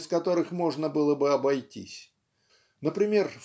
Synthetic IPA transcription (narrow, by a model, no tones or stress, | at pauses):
skɐt̪o̞ɾɨxmo̞ʐnəbɨlˠəbɨɐbɐjtʲḭsʲ | nəpɾʲɪmʲe̞rf